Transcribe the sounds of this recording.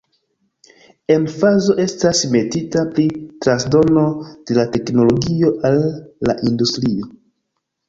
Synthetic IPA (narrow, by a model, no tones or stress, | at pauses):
e̞nfazo̞ʔe̞stasme̞titapɾitɾansdo̞no̞d̥e̞late̞kno̞lo̞ɡio̞ʔalːaʔindustɾio̞